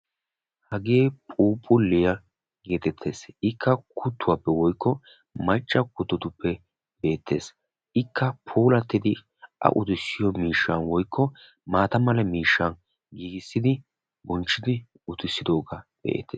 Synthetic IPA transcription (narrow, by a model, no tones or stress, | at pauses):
hɐɡe̞ːpʼuːpʼʊlːɪjɐ | ɡe̞ːt̪ɛt̪ʰːe̞̰ːsɪkʰːɐkʰʊt̪ʰːʊwaːpːɛwɔjkːɔ | mɐt͡ʃʼːɐkʊt̪ːʊt̪ʊpːɛ | be̞ːt̪ʰːe̞ːs | ʔɪkʰːɐpʰuːlɐt̪ːɪd̪ɪ | ʔɐ̰ʔʊt̪ɪsːɪjɔmiːʃːɐnwɔjkːɔ | maːt̪ɐmɐlɐmiːʃːɐn | ɡiːɡɪsːɪd̪ɪ | bɔnt͡ʃːɪd̪ɪ | ʊt̪ɪsːɪd̪o̞ːɡɐb̥ḛːt̪ːḛːs